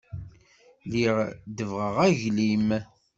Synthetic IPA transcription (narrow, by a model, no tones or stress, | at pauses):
liʁd̪əvʁəʁæʝlim